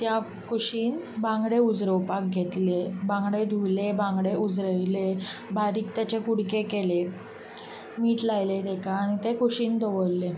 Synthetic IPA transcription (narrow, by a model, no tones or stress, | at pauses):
t̪ja | kuɕiːnbãŋɡɽeud͡zɾəwpak̚ɡʱet̪lebãŋɡɽed̪ʱulebãŋɡɽeʔud͡zɾəjlebʱaɾiːk̚t̪jat͡ɕekuɽkekele | miːʈlajled̪ɛkʰaːɽ̃it̪ekuɕiːnd̪ʱɔʋəlːe